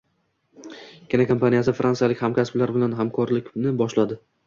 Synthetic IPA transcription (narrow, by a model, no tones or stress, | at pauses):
kʲʰenakʰompʰanijasɪfɾʔansijalɪkʲhamkʲasblaɾbɪlanɦamkʰɒɾlɪkʲnɪbɒʃlad̪ɪ